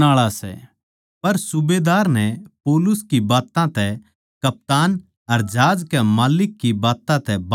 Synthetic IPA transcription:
aːɭasɛ̰ | pɐɾsʊbeːd̪aːɾnɛpoːlʊskibaːt̪ãt̪ɛ | kɐp̚t̪aːn | ɐɾd͡ʒaːd͡ʒkɛmaːlɪkːibaːt̪ãt̪ɛb

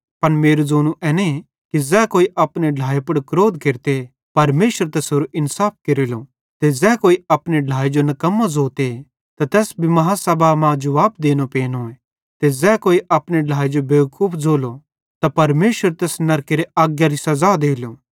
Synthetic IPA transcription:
pɐnmeːɾuzoːnũʔɛːne | kizɛːkoːiʔɐpneɖʱaːepɐɽkɾoːd̪keɾt̪e | pɐɾmeːʃəɾt̪ɛːsɦoːɾuʔɪnsaːp̚ʰkeɾilo | t̪ezɛːkoːiɐpneɖʱaːid͡ʒonɐkɐmːazoːt̪e | t̪ɐt̪ɛːsbʱimɐɦasɐbʱamãd͡ʒʊʋaːpd̪eːñopeːnõẽ | t̪ezɛːkoːiʔɐpneɖʱaːid͡ʒobeːkuːpʰd͡zoːlo | t̪apɐɾmeːʃəɾt̪ɛːsnɐɾkeɾeʔaːɡjaɾisɐzad̪eːloː

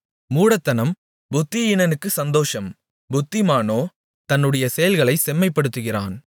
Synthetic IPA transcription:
muːɽɐt̪ːɐnɐm | bʊt̪ːɪɪnɐnɯkːɯsɐnd̪oːʂɐm | bʊt̪ːɪmaːnoː | t̪ɐnːɯɽɐjɐsɛjɐlɣɐɭɐɪsɛmːɐɪpːɐɽɯt̪ːɯɣɪra̰ːn

